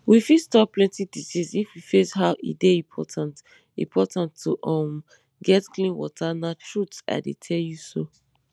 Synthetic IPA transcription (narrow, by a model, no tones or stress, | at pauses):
wifistɔplɛ̃ntidisisifwifeshaʊʔḭdeĩpʰɔtʰãnt | ḭ̃mpʰɔtãntʰːuʔɔ̃m | ɡɛtklĩnwɔ̰tʰanatʰɹuta̰ɪdetʰɛljuso